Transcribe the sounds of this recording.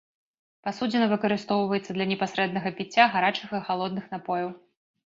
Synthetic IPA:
pasud͡zʲɪnɐvɨkɐɾɨst̪ɔwvɐjɛt̪sːɐd̪lʲɐnʲɛpasɾɛd̪nɐɣɐpʲit͡sʲːaɣaɾat͡ʂɨxixalˠɔd̪̚nɨxnapɔjɐw

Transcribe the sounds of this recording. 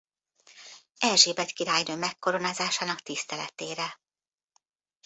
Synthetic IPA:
ɛlʒeːbɛt̪kiɾaːjnøːmɛkːo̞ɾo̞naːzaːʃaːnɒkt̪ist̪ɛlɛt̪eːɾɛ

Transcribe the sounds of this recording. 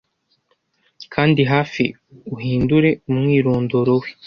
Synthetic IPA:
kʰaːndiɦaːfḭ | uɦiːnduɾe̞umŋiːɾoːndoɾowe̥

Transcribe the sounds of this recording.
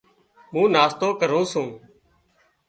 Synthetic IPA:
mũːnaːst̪oːkəɾũːsũː

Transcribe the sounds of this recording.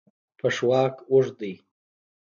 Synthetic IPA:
pʰəʂwɑːkʊʐd̪əj

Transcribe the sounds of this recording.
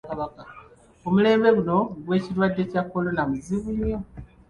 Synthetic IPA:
kaβaka | omule̞ːmbe̞ɡuno̞ɡwe̞ːciɾwadːe̞cakːo̞lo̞namuziβuɲːo

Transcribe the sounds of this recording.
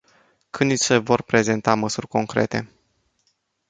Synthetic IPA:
kʰɨnd̪isevo̞rpɾe̞ze̞nt̪aməsurʲko̞ŋkɾe̞̰t̪e̞̰

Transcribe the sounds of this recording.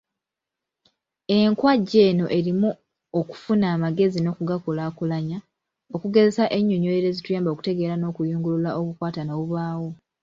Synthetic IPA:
e̞ŋkwaɟːe̞ːno̞ʔe̞ɾimu | o̞ku̥funaːmaɡe̞zino̞ːkuɡakulakulaɲa | o̞kuɡe̞ze̞saʔe̞ɲːoɲoeɾe̞zitujaːmbaoku̥te̞ɡe̞ːɾano̞ːkujuːŋɡululaʔo̞kukwaːtanaβuβaːwo̞

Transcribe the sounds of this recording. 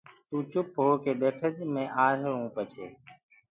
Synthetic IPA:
t̪ũːt͡ʃʊp̚ɦoːkeːɓeːʈʰəd͡ʒmẽːʔaːɾɦəɭũːpət͡ʃʰeː

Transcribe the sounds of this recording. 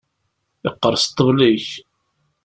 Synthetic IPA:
ɪqːəɾˤst̪ːəvliç

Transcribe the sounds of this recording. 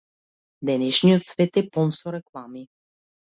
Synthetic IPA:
d̪ɛnɛʃnijot̪svɛt̪ɛpɔnsɔɾɛklˠami

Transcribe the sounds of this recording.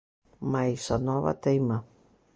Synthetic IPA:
maisanɔva̰t̪aima

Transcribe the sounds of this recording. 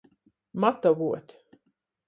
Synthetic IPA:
mat̪avuɔt̪ʲ

